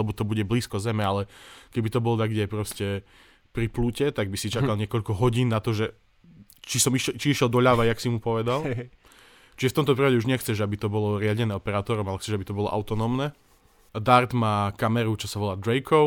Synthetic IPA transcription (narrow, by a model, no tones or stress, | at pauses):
lɛbɔt̪ɔbuɟɛbliːskɔzɛmɛalɛkɛbit̪ɔbɔlɔd̪aɡɟɛpɾɔscɛ | pɾiplucɛt̪aɡ̚bisit͡ʃakalɲɪɛkɔʎkɔɦɔɟiːnːat̪ɔʒɛ | t͡ʃisɔmiʃt͡ʃiiʃjɛlˠd̪ɔʎaʋajaksimupɔʋɛd̪al | t͡ʃiʒɛft̪ɔmt̪ɔpɾipaɟɛuʒɲɛxt͡sɛʒabit̪ɔbɔlɔɾɪaɟɛnɛːɔpɛɾaːt̪ɔɾɔmalɛxt͡sɛʒabit̪ɔbɔlɔ̰ʔa̰ʊt̪ɔnɔːmnɛ | d̪aɾd̪maːkamɛɾut͡ʃɔsaʋɔlaːd̪ɾɛkʰɔʊ